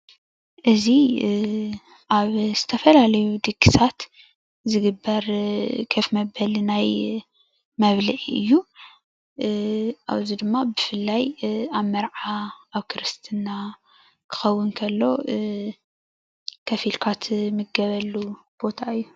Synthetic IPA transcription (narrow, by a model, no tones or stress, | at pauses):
ʔɨzi | ʔaβz̥ɨt̪ʰɐfɐlalɐjud̪ɨkʰːisʰat̪ | zɨɡɨbːɐɾkʰɐfmɐbɐlnaj | mɐβliʔɨ̰jːu | ʔa̰βzid̪ɨmːabɨfɨlːajaβmɐɾʕaːβkʰɨɾɨst̪ʰɨna | kʰɨ̥xɐwːɨnkʰɐlːo̞ | kʰɐfilkʰat̪mɨɡɐβɐlːu | b̥o̞t̪ʰaɨjːu